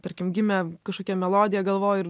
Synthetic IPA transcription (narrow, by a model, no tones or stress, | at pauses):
t̪ɐɾʲkʲɪmɡʲɪmʲɛkɐʃkoːkʲɛmʲɛlˠoːd̪ʲɪjɛɡɐlˠʋoːjɪr